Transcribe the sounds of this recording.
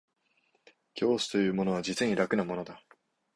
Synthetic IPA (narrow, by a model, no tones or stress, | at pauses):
kʲʰo̞ːsɨ̥t̪o̞jɯ̟ːmo̞no̞β̞ad͡ʑit͡sɨɲ̟iɾakɯ̟namo̞no̞d̪a